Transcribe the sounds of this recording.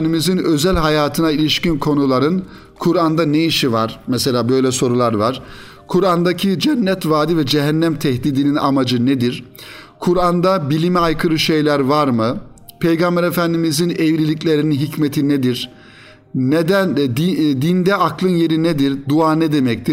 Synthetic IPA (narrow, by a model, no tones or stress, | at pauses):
nd̪imizinø̞zælʲɦajaːt̪ʰɯnailʲiʃcinkʰo̞nulˠaɾɯn | kʰuɾand̪anejiʃivaɾ̥mɛselʲaːbø̞jlʲɛso̞ɾulˠaɾvaɾ̥ | kʰuɾand̪acʰid͡ʒænːɛt̪vaːd̪ivɛd͡ʒeɦænːæmt̪ʰɛhd̪iːd̪inina̰mad͡ʒɯned̪iɾ̥ | kʰuɾand̪abilʲimiajkʰɯɾɯʃe̞jlʲæɾvaɾmɯ | pʰejɡambɛɾefænd̪imizinɛvɾilʲiclʲe̞ɾininɦicmet̪ʰined̪iɾ | nɛd̪æd̪id̪ind̪ɛaklˠɯnje̞ɾined̪iɾd̪uaːnɛd̪e̞mɛc̚t̪ʰi